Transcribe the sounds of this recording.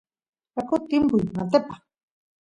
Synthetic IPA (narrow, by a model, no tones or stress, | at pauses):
kakot̪imbujnat̪epḁ